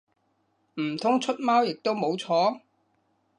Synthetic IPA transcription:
m̩˨˩t̪ʰʊ˥ŋt͡ʃʰɵ˥t̚maː˥wjɪ˨k̚t̪o˥wmo˨˥wt͡ʃʰɔː˨˥

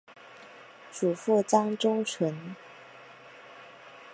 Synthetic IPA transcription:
ʈ͡ʂu˨˩fu˥˩t͡sɑ˥ŋʈ͡ʂʊ˥ŋt͡sʰwə˧˥n

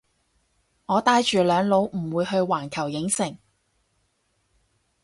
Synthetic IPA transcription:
ŋɔː˨˧t̪aː˧jt͡ʃyː˨lœː˨˧ŋlo˨˥wm̩˨˩wuː˨˧jɦɵ˧ɥwaː˨˩nkʰɐ˨˩wjɪ˨˥ŋsɪ˨˩ŋ

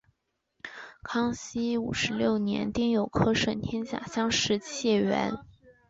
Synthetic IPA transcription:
kʰɑ˥ŋɕi˥ṵ˨˩ʂɻ̩˧˥ljo˥˩ʊnjɛ̰˧˥nt̪i˥˩ŋjo˨˩ʊkʰɤ˥ʂə˨˩nt̪ʰjɛ˥nt͡ɕja̰˨˩ɕjɑ˥ŋʂɻ̩˥˧ɕjɛ˥˩ɥɛ̰˧˥n

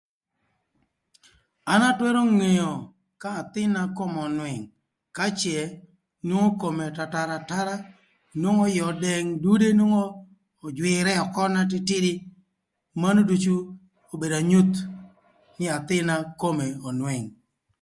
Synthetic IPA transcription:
a˨˦na˦twɛ˦ɾo˦ŋe˨jo˨ | kaː˦˨t̪ɪ˦na˦ko˦mɔ˨nwɛ˨ŋ | ka˦t͡ʃjɛ˨ | nwo˦ŋo˦ko˨me˨ta˨ta˨ɾa˨ta˦ɾa˦ | nwo˦ŋɔ˦jɔ˨dɛ˨ŋdu˦de˦nwo˦ŋoː˦˨ | d͡ʒwɪ˨ɾɛ˦ɔ˨kɔ˦na˦t̬ɪ˦tɪ˦dɪ˦ | ma˦no˦du˦t͡ʃu˦ | o˨be˨da˨ɲu˦t̪ | nɪ˦a˨t̪ɪ˦na˦ko˦me˨ɔ˨nwɛ˨ŋ

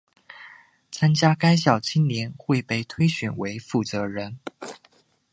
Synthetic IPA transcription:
t͡sʰa˥nt͡ɕja˥ka˥ɪɕjɑ˨˩ʊt͡ɕʰi˥nljɛ˧˥nxwe˥˧ɪpe˥˧˩ɪt̪ʰwe˥ɪɕɥɛ˨˩nwe˧˥ɪfu˥˩t͡sɤ˧˥ɻə˧˥n

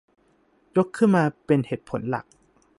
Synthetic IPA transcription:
jo˦˥kʰːɯ˥˩nmaː˧pe˧nheː˨˩t̪̚pʰo˨˩˦nla̰˨˩k̚

